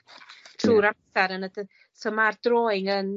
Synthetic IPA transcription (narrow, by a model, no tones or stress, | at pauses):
tʰruːɾasaɾənə | səmardroːɨŋən